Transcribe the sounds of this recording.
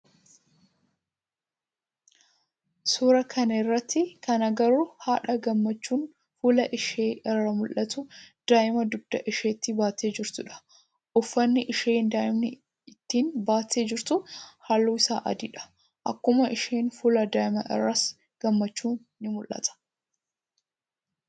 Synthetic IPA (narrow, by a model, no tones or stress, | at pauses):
suːɾɐkʰɐnɐɪrːɐt̪ʰːɪkɐnɐɡɐɾuhaːᶑɐɡɐmːɐt͡ʃːuːn | fuːlɐʔɪʃeːɪrːɐmʊlʔɐt̪ʊd̪̥aːʔɪmɐd̪ʊb̚d̪̥ɐʔɪʃeːt̪ːɪbaːt̪e̞ːd͡ʒɪɾt̪ʊᶑɐ̥ | ʔʊfːɐnːɪʔɪʃe̞ːnd̪aːʔɪmnɪ | ɪt̪ːiːnbaːt̪e̞ːd͡ʒɪɾt̪ʊhaːlːuːɪsa̰ːʔɐ̰d̪ɪᶑɐ̥ | ʔɐ̰kːʊmɐʔɪʃeːnfuːlɐd̪aːʔɪmɐʔɪ̰rːɐs | ɡ̥ɐmːɐt͡ʃːuːnːɪmʊlʔɐ̰t̪ʰɐ̥